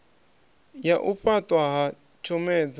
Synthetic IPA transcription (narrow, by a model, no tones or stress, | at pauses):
jaʔuɸatʼwaɦa | t͡ʃʰɔmɛːd͡za